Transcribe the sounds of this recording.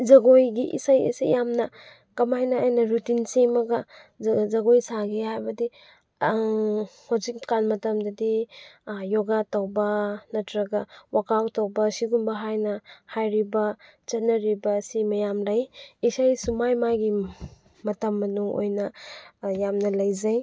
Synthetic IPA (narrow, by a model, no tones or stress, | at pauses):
zɐɡojɡiʔḭsajḭsa̰jjamnɐ | kɐmajnaːjnɐɾutinsemɐɡɐ | zɐɡojsaɡehajbɐdi | hazikkanmɐtɐmdɐdi | joɡatawbɐnɐtɾɐɡɐwakawtawbɐsiɡumbɐɦajnɐhajɾibɐ | t͡ʃɐt̚nɐɾibɐsimɐjamlajisajsumajmajɡi | mɐtɐmːɐnuŋo̰jnɐjamnɐlɐjzaj